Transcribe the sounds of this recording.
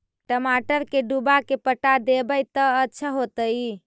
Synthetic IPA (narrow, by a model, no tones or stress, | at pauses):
ʈəmaʈəɾkeɖubakepəʈad̪ebəjt̪əətːʃʰəɦot̪əj